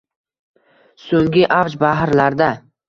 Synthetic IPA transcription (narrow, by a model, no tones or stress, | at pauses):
soŋɡʲɪʔavd͡ʒbaɦɾlaɾd̪a